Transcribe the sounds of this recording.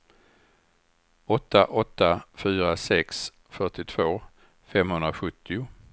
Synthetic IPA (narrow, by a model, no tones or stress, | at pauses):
ɔt̪ːaʔɔt̪ːafyːɾasɛks | fœʈɪt̪ʰv̥oː | fɛmhɵnd̪ɾaɧɵt̪ʰːɪʊ